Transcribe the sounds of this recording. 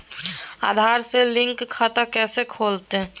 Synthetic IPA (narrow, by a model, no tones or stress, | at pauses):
a̰ːd̪ʱaːɾselɪ̃ŋkʰːət̪akɛːsekʰoːlt̪e